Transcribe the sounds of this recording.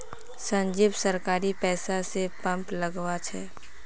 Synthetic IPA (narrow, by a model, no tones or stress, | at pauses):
sə̃ɲd͡ʒiːbsəɾkaːɾipɛːsasepə̃mpləɡwat͡ʃʰɛ̰ː